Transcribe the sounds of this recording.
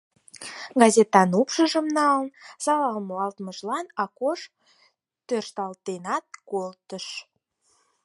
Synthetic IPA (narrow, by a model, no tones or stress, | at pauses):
ɡɑzet̪ɑnupʃəʒəmnɑlənsɑlɑlmoɑlt̪məʃlɑnɑkoʃ | t̪ørʃt̪ɑlt̪enɑt̪̚kolt̪əʃ